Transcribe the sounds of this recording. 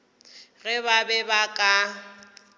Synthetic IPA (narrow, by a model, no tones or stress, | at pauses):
ɣɛβabɛbakʼa